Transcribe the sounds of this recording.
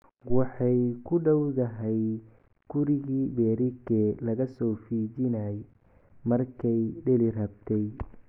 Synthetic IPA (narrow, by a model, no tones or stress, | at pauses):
wɑħɑjkʰʊɖɐwðɐɦɛj | ɡ̥ʊɾɪɣiːbɛːɾɪɡɛlɐɣɐsɔːfiːd͡ʒɪnaj | mɐrkʰɛjɖɪlɪrɐbt̪ʰɛj